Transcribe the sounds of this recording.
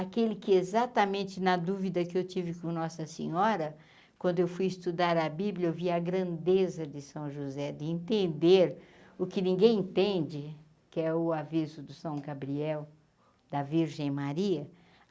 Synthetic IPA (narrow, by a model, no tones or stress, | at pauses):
akelɪkɪezat̪ɐmẽnt͡ʃ̪ɪnɐd̪uvid̪ɐkɪewt͡ʃ̪ivɪkõnɔsɐsḛ̃ɲɔɾɐ | kwɐ̃nd̪ʊewfujɪst̪ud̪aɾɐbibljɐewviɐɡɾɐ̃nd̪ezɐd͡ʒ̪ɪsɐ̃w̃ʒuzɛd̪ɪẽnt̪ẽnd̪eɾʊkɪnĩɡẽj̃ẽnt̪ẽnd͡ʒɪ | kɪɛʊavizʊd̪ʊsɐ̃w̃ɡabɾiɛw | d̪̥ɐviɾʒẽj̃maɾiɐ